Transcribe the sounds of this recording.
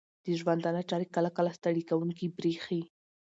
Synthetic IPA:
d̪̥əʒwand̪anaʈ͡ʂɑɾikalakalast̪aɽikawuŋkibɾexi

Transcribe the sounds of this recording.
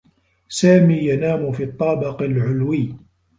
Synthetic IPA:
saːmiːjanaːmʊfiːt̪ˤːɑːbɪqalʕʊlwiː

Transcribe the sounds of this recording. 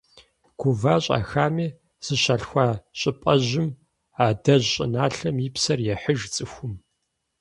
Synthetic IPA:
ɡ̥ʷʊvaːɕʼa̰xaːmiː | sɨɕaɬxʷaɕʼɪpʼɐʑɪm | aːdɐʑɕʼɪ̰naːɬɐmipsɐrjɛħəʒt͡sʼɨxʷʊm

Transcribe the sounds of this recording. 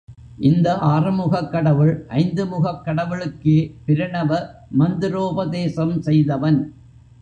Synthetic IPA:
ʔɪnd̪ɐʔaːrɯmʊɣɐkːɐɽɐʋɯɭʔɐɪnd̪ɯmʊɣɐkːɐɽɐʋɪɭɯkːepɪɾɪɳɐʋɐmɐnd̪ɪɾoːbɐðeːsɐmsɛjðɐʋɐn

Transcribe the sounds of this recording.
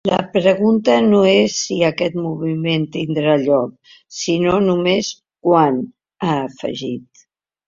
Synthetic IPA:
ləpɾəɣ̞unt̪ənoesːiəkɛt̪muβiment̪ind̪ɾaʎɔk̚ | sinonumes | kwan | aːfə̰ʒit̪

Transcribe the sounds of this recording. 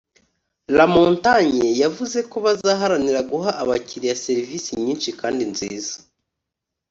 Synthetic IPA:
lamoːntaɲejavuze̞ko̞βazaːɦaɾaniɾaɡuɦaʔaβaciɾijase̞ɾiviːsiɲiːnʃikaːndinziːza

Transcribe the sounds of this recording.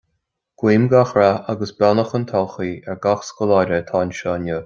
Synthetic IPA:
ɡ̥wiːmɡaxɾaaɡəsbɛnəxənt̪ʰalˠxiːɛɹɡaxskɔlaːɾət̪ʰaːnʃɔːnə

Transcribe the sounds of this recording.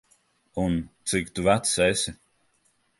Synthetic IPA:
unt̪sikt̪uvæt̪sesʲi

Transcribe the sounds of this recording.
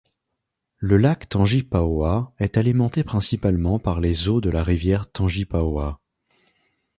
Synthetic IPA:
ləlakt̪ɑ̃ʒipawaɛt̪alimɑ̃t̪epχɛ̃sipalmɑ̃paʁlezod̪əlaʁivjɛʁt̪ɑ̃ʒipawa

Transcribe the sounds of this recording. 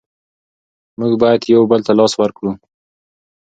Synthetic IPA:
muɡbɑjad̪jawbəlt̪alɑswəɾkɽu

